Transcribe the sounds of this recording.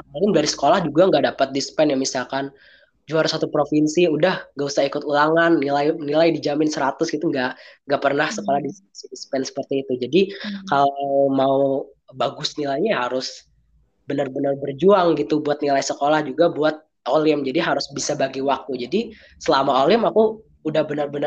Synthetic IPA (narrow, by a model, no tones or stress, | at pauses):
aaɪmdaɾisə̥kolahd͡ʒuɡaŋɡaʔdapat̪̚dispɛnjaŋmisalkan | d͡ʒuaɾsat̪upɾofinsiudahŋɡausahikʊt̪ulaŋanːilajnilajdid͡ʒamɪnsəɾat̪ʊsɡit̪uŋɡaʔŋɡaʔpərnahsəkolahdispɛnsidispɛnsə̥pərt̪iːt̪ud͡ʒadikalawmau | baɡʊsnilajɲaɦaɾʊs | bənərbənərbərd͡ʒuaŋɡit̪ubuat̪̚nilaisəkolahd͡ʒuɡabuat̪̚ | ʔolɪmd͡ʒadiɦaɾʊsbisabaɡiwak̚t̪ud͡ʒadi | səlamaolɪmakuː | dahbənərbən